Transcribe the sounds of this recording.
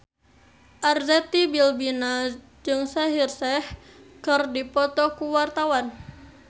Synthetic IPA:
ʔarzɛt̪ibilbina | d͡ʒɨŋsaɦirsɛh | kɨrdipɔt̪ɔkuwart̪awan

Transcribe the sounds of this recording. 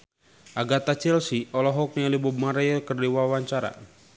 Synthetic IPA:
ʔaɡat̪at͡ʃɛlsiʔɔlɔɦɔk̚ɲalibub̚maɾajɔkərdiwawaɲt͡ʃaɾa̰

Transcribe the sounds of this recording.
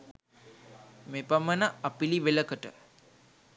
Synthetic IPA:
mepamənəapiliʋeləkəʈə

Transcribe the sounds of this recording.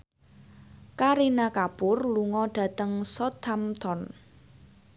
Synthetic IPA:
kaɾinakapʊrluŋɔɖ̥ä̤t̪əŋsɔt̪ʰamt̪ɔn

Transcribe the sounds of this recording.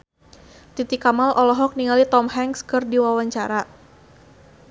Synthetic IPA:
t̪it̪ikamalʔɔlɔɦɔk̚niŋalit̪ɔmɦɛŋskɨrdiwawaɲt͡ʃaɾa

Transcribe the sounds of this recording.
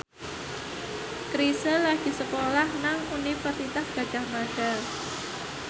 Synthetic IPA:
kɾisəlːaɡ̥i̤səpolahnaŋunifərt̪it̪ahɡ̥a̤̥ʒ̥a̤hmaɖ̥ar

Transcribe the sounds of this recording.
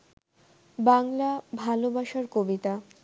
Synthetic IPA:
baŋlabʱalobaʃaɾkobit̪a

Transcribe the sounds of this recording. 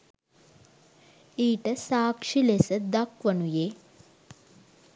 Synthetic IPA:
iːʈəsaːkʂilesəd̪ɐkʋənujeː

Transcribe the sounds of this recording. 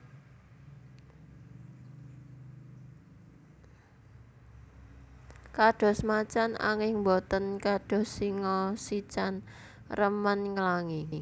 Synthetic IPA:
kaɖ̥ɔ̤smat͡ʃana̰ŋɪŋmbɔt̪ənkaɖ̥ɔ̤sːiŋɔsit͡ʃan | rəmənŋəlaŋi

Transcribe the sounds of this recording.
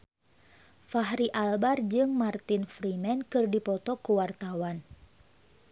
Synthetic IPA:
faɦɾiʔalbard͡ʒɨŋmart̪infɾimɛnkɨrdipɔt̪ɔkuwart̪awan

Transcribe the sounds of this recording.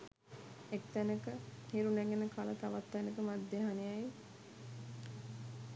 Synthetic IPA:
ekt̪ænəkəhiɾunæɡenəkalət̪aʋat̪ːɛnəkəmad̪ːeɦanejaj

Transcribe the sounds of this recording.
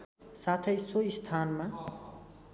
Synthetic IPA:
sat̪ʰʌjsoist̪ʰaːnma

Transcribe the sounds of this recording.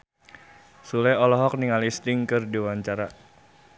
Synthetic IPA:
sulɛɔlɔɦɔk̚niŋalist̪ɪŋkɨrdiwaɲt͡ʃaɾa

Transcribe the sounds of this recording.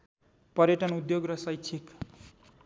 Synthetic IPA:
pʌɾjʌʈʌnud̪joɡrʌsʌjt͡sʰik

